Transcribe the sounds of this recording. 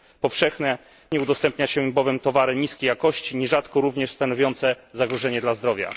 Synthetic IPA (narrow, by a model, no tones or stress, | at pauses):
pɔfʂɛxnɛ | ɲɛud̪ɔst̪ɛmpɲaɕɛimbɔvɛmt̪ɔvaɾɛɲiskʲejakɔɕt͡ɕiɲiʐat̪kɔɾuvɲɛʂst̪anɔvʲjɔnt̪sɛzaɡɾɔʐɛɲɛd̪lazd̪ɾɔvʲja̰